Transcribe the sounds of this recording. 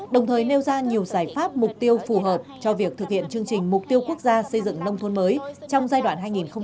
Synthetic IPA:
ɗə˨˩wŋ͡mt̪ʰəː˨˩jne˧wzaː˧ɲi˨˩əwzaː˧˩jfaː˦˥p̚mʊ˨˩k͡p̚t̪i˧əwfu˨˩ɦəː˨˩p̚t͡ɕɔ˧vi˨˩ək̚t̪ʰɨ˨˩k̚hḭ˧˨ənt͡ɕɨ˧əŋt͡ɕï˨˩ŋ̟mʊ˨˩k͡p̚t̪i˧əwku˦˥ək̚zaː˧sə˧jzɨ̰˧˨ŋnə˧wŋ͡mt̪ʰo˨˦nməː˨˦jt͡ɕɔ˧wŋ͡mzaː˧jɗwaː˧˩nɦaː˧jŋi˨˩nxə˧ŋ͡m

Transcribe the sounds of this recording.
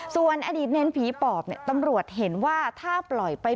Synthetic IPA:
su˨˩ənʔa˧diː˨˩t̪̚ne˧˥npʰiː˨˩˦pɔː˨˩p̚ni˧˩t̪a˧mɾu˨˩ət̪̚ɦe˩˦nwaː˥˩t̪ʰaː˥˩plɔ˨˩jpa˧j

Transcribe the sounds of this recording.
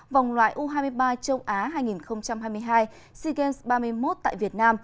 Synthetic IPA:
va˨˩wŋ͡mlwa̰ː˧˨jʔu˧ɦaː˧jmɨ˧əjɓaː˧t͡ɕə˧wʔaː˨˦ɦaː˧jŋi˨˩nxə˧wŋ͡mt͡ɕa˧mɦaː˧jmɨ˧əjɦaː˧j | si˧ɣɛ˧nsɓaː˧m˧əjmo˦˥t̚t̪a̰ː˧˨jvi˨˩ət̚naː˧m

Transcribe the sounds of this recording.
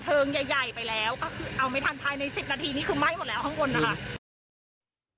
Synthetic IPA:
t̪ʰɤː˧ŋja˨˩jːa˨˩jpa˧jlɛː˦˥wkɔː˥˩kʰɯː˧ʔa˧wma˥˩jt̪ʰa˧npʰaː˧jna˧jsi˨˩p̚naː˧t̪ʰiː˧niː˦˥˩kʰɯː˧ma˥˩jmo˨˩t̚lːɛː˦˥wt̪ʰŋkʰo˧nːa˦˥kʰa˦˥

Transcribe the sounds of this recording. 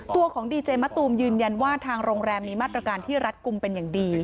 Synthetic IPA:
t̪u˧ɐkʰɔː˩˦ŋdiː˧t͡ɕeː˧ma˦˥t̪uː˧mjɯː˧nja˧nwaː˥˩t̪ʰaː˧ŋɾoː˧ŋɾɛː˧mːiː˧maː˥˩t̪ɾa˧kaː˧nt̪ʰiː˥˩ɾa˦˥t̪̚ku˧mpe˧njaː˨˩ŋdiː˧

